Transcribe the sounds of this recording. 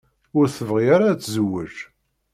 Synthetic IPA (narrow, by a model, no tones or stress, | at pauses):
ʊɾθəvʁiaɾat͡sːzəwːə̰ʒ